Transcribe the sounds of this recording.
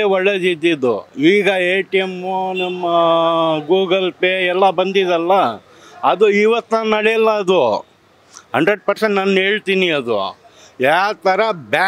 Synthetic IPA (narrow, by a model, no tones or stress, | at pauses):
eɔɭːed̪id̪ːid̪ːṵiːɡɐeːʈijemunɐmːɐɡuːɡɐlpeːɛlːɐbɐnd̪id̪ɐlːɐː | d̪uiʋɐt̪ːɐnɐɽɛjɐlːɐɐd̪u | hɐɳɖɾeɖ̚pɐɾseɳʈnaːnɦeːɭt̪iːniɐd̪ṵ | jaːt̪ɐɾɐbaː